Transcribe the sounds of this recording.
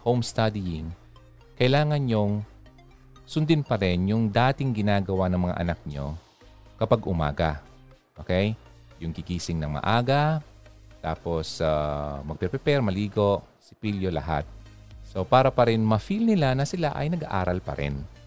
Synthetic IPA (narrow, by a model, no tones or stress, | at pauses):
howmst̪ad̪ɪjɪŋ | kɐʔɪlaːŋɐnjoŋ | sʊnd̪ɪnpɐɾɛnjʊŋd̪aːt̪ɪŋɡɪnaːɡɐwanɐŋmɐŋa̰ʔɐ̰nak̚ɲo̰ | kɐpaɡʔʊma̰ːɡa̰ | ʔoːkɛj | jʊŋkɪɡiːsɪŋnɐŋmɐ̰ʔaːɡɐ | t̪a̰ːpo̞samɐɡ̚pɛɾpɛpɛɾmɐliːɡo̞ʔ | sɪpiljolɐ̰ɦa̰t̪̚ | so̞paːɾɐpɐɾɛnmɐfilnɪlanɐsɪlaʔɐ̰jnɐɡa̰ʔa̰ːɾɐlpɐ̰ɾɛ̰n